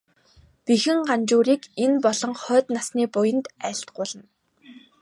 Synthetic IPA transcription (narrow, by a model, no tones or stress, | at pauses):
pixɘ̆ŋɢant͡ɕuːɾiːkenpɔɮɞ̆ŋχœːt̪nasniːpʊjə̆nt̪æɬt̪̚ɢʊːɮə̆n